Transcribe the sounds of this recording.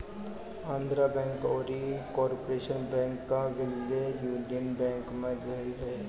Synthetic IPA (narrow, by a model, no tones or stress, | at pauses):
ãːnd̪ɾabɛ̃ːŋkɔːɾikɔːɾpoɾeːʃənbɛ̃ːŋkːaʋɪlːejuːnijənbɛ̃ːŋkmẽbʱɛlɾɐɦe